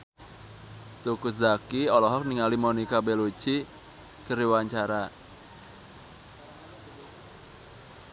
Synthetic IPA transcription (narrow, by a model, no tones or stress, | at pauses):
t̪ukuzakiɔlɔɦɔk̚niŋalimonikabɛlu̥t͡ʃi | kəɾiwaɲt͡ʃaɾa